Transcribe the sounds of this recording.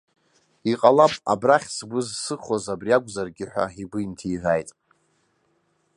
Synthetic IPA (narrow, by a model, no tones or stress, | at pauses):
iqʼalapʼa̰braχʲsbʷʊzsɨχozabriaɡʷʼzarɡʲɪħʷᶣa̰ibɨintʰiiʕʷajtʼ